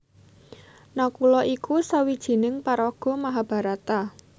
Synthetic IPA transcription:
nakulɔʔikusawid̥ʒ̥i̤nɪŋpaɾɔɡ̥ɔ̤maɦab̥a̤ɾat̪a

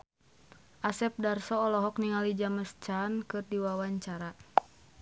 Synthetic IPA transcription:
ʔasɛp̚darsɔːlɔɦɔk̚niŋalid͡ʒaməst͡ʃankɨrdiwawaɲt͡ʃaɾa

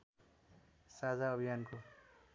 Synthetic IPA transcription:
sad͡zaʌbʱijanko

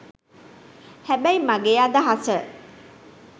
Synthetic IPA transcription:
hæbæjmaɡejaːd̪aɦasə

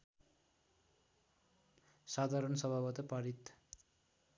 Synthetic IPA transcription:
sad̪ʱaɾʌnsʌbʱabʌt̪ʌpaɾit̪

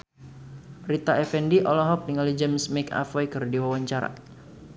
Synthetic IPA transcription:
rit̪aɛfɛndiʔɔlɔɦɔp̚niŋalid͡ʒɛmsmɛka̰fɛjkɨrdiwawaɲt͡ʃaɾa̰

